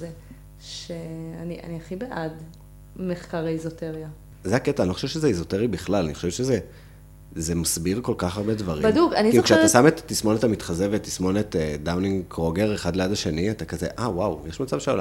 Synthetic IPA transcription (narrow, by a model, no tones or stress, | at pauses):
ze | ʃeania̰niaχibeʔad | meχkaʁaizoteʁia | zeaketaːnoχoʃevʃezeizo̞teʁibiχlalaniχo̥ʃevʃeze | zemasbiʁko̞lkaχaʁbedvaʁibadukaniilukʃeat̪asamet̪ːismo̞netamit̪χazevetːismo̞net̪edawniŋkʁoɡe̞ʁeχadlejadaʃe̞niatakazḛʔawawjeʃmat͡sav̥ʃeola